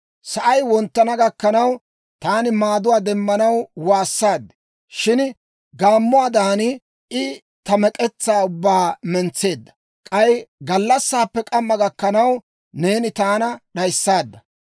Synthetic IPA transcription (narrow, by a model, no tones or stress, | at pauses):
sɐʔɐjwɔnt̪ːɐnɐɡɐkːɐnɐw | t̪aːnɪmaːd̪ʊwaːd̪ɛmːɐnɐwwaːsːaːd̪ːɪ̥ | ʃɪn | ɡaːmːʊaːd̪aːnɪ | ɪ | t̪ɐmɛkʼɛt͡sːaːʊbːaːmɛnt͡sːe̞ːd̪ːɐ̥ | kʼɐjɡɐlːɐsːaːpːɛkʼɐmːɐɡɐkːɐnɐw | ne̞ːnɪt̪aːnɐɗɐjsːaːd̪ːɐ